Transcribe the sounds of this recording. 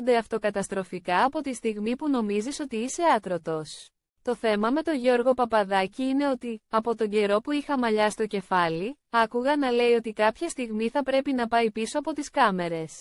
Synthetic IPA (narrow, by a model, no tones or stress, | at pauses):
nd̪e̞ɐft̪o̞kɐt̪ɐst̪ɾo̞fikɐːpo̞t̪ist̪iɣmipuno̞miziso̞t̪iise̞ɐt̪ɾo̞t̪o̞s | t̪o̞θe̞mɐme̞t̪o̞ʝo̞ɾɣo̞pɐpɐðɐciine̞o̞t̪iɐpo̞t̪o̞ɲɟe̞ɾo̞puixɐmɐʎɐst̪o̞ce̞fɐli | ɐkuɣɐnɐle̞io̞t̪ikɐpçɐst̪iɣmiθɐpɾe̞pinɐpɐipiso̞ɐpo̞t̪iskɐme̞ɾe̞s